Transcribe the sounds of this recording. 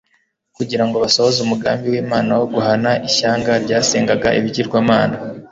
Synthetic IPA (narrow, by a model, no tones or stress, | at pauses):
kuɟiɾaŋɡoβasohozumuɡaːmbiwiːmaːnawoɡuɦanaʔiçaːŋɡaɾɟaːse̞ːŋɡaɡaʔḭβiɟiɾɡwaːmaːna